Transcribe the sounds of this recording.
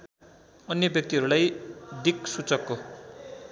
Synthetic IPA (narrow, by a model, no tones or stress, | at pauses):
ʌnjʌbjʌk̚t̪iɦʌɾulajd̪iksut͡sʌkːo